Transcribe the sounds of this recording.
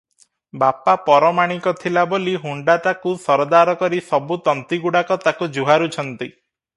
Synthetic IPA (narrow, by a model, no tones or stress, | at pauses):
bapapɔɾɔmaɽ̃ikɔt̪ʰilaboliɦuɳɖat̪akusɔɾɔd̪aɾɔkɔɾisɔbut̪ɔnt̪iɡuɽakɔt̪akud͡ʒuɦaɾut͡ʃʰɔnt̪i